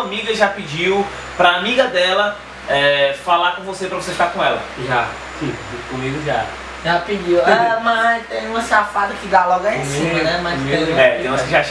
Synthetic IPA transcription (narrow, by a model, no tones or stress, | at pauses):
ɐmiɡɐʒapid͡ʒiw | pɾɐamiɡɐd̪ɛlɐ | ɛfalaɾkõvosepɾɐvoseʃt̪aɾkõɛlɐ̰ʒa̰ | kikõmiɡʊd͡ʒia̰ɾ | ʒapid͡ʒiwamat̪ẽj̃ũmɐ̃safad̪ɐkɪd̪alɔɡɐẽsiĩmɐnɛmasmiɡẽɛ̃t̪ɐ̃w̃ɐsĩʒaʃ